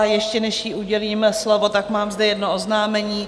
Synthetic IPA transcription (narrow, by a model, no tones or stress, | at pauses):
jɛʃcɛnɛʃjiʔuɟɛliːmslovot̪akmaːmzdɛjɛdnoʔoznaːmɛɲiː